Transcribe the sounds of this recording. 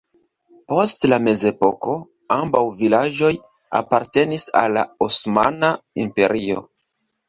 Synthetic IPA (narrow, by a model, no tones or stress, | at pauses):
postlame̞ze̞po̞ko̞ | ambawvilaʒd͡ʒo̞j | a̰paɾte̞nisa̰lːa̰osma̰naimpe̞ɾio̞̰